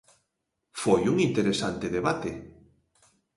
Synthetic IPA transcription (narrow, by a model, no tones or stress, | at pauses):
fojuŋint̪eɾesant̪eðeβat̪e